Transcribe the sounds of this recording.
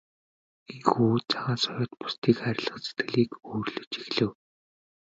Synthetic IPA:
enxuːt͡sʰaʁaːnsɔjʊːt̪̚pʊ̥st̪ʰiːkχæɾʲɪ̆ɮə̆χt͡set̪̚ɡɘ̆ɮiːkoːrɮɵ̆t͡ɕixɮɘ̆w

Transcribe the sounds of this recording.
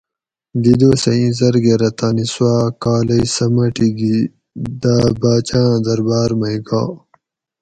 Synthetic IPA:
d̪id̪oːsɐĩzɐɾɡeɾɐt̪aːniswaːkaːlɐjsɐmɐʈiɡi | d̪abaːt͡ɕãːd̪ɐɾbaːɾmɐjɡaː

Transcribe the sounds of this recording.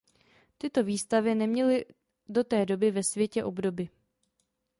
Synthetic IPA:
t̪ɪt̪o̞viːst̪avɪnɛmɲɛlɪ | do̞t̪ɛːdo̞bɪvɛsvjɛcɛʔo̞bdo̞bɪ

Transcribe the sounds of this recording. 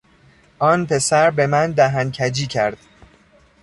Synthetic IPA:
ʔɒːnpʰe̞sæɾbe̞mænd̪æɦæncʰæd͡ʒiːcʰæɾd̪̥

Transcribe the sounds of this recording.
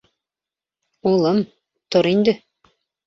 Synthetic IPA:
ulˠɤm | t̪oɾind̪ɘ

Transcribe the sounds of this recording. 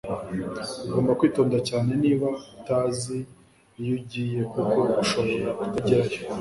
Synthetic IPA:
uɡo̞ːmbakwiːto̞ːndacaːne̞niːβataːzi | juɟije̞kuko̞uʃo̞βo̞ɾaku̥taɟiɾajo

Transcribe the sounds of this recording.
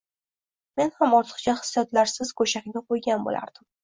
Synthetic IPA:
me̞nhamɒɾt̪ʰɨ̥χt͡ʃʰaχɨ̥sjɒt̪laɾsɪzkʰoʃakʲnɪqʰojɡʲanbo̰la̰ɾd̪̥ɪm

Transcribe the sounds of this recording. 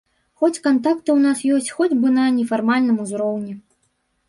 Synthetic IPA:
xɔt͡sʲkant̪akt̪ɨwnasjɔsʲt͡sʲxɔd͡zʲbɨnɐnʲɛfarmalʲnɨmuzɾɔwnʲɛ

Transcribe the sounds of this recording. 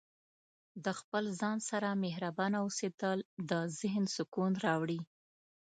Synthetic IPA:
d̪əxpəlzɑnsaɾameɦɾabɑnaused̪əld̪əzɪɦnsʊkunɾɑwɽi

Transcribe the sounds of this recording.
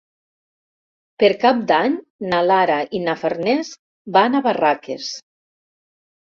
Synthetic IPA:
peɾkap̚d̪aɲ | nalaɾaʔinafaɾnɛs | banaβarakḛs

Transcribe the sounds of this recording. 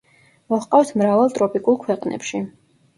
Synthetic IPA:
mɔhqʼaft̪ʰmɾavalˠt̪ʼɾɔpʼikʼulˠkʰwɛqʼnʔɛ̰pʃi

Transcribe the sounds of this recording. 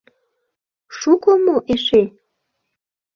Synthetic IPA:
ʃukomoʔeʃe

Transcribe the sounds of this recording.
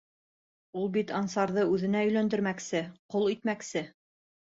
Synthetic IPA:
ulˠbit̪ɑnsɑɾðɤʉðɘ̆næɵ̆jlænd̪ɘ̆ɾmæksɘqolˠit̪mæksɘ

